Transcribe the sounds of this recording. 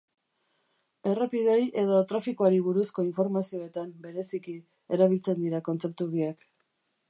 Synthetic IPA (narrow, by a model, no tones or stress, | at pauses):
e̞rapiðeje̞ð̞ot̪ɾafikoaɾiβ̞uɾusko̞iɱfo̞ɾmasio̞e̞t̪ambe̞ɾe̞siki | e̞ɾaβ̞ilt͡se̞nd̪iɾako̞nt͡se̞p̚t̪uɣiak